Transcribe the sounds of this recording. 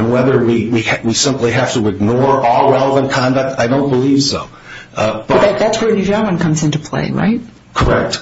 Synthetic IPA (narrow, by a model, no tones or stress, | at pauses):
nwɛðə˞wiwiwisɪ̃mpliɦæftɨɨɡ̚nɔɹɔlˠwɛlˠvə̃nkʰɑ̃ndʌk̚taɪɾõʊ̃nb̥əliv̥soʊ | b̥ʌðɨt̪̚ðætswə˞nʉd͡ʒãə̃nkʰʌ̃mzɪ̃ntupʰl̥ḛɪɹa̰ɪt̚ | kʰə˞ɛk̚t